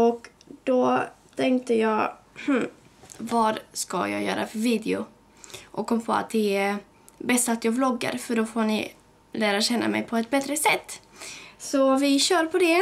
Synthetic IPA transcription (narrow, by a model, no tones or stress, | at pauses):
ɔkd̪̥ɔt̪ʰɛŋkt̪əjɑːɡh̩ | vɑɾska̰jɑ̰ːjœ̰ːɾʔa̰fœɾviːd̪ɪʊ | ʔɔkʰːɔmːpʰo̰ːa̰t̪̚d̪ɛ | bɛst̪at̪jɑblɔɡːə̰ɾfœɖɔfoːnɪ | læːɾaɕɛnːa̰mɛ̰jpʰɔɛt̪̚bɛt̪ɾəsɛt̪ːsɔvɪɕœːɾpʰɔd̪ɛ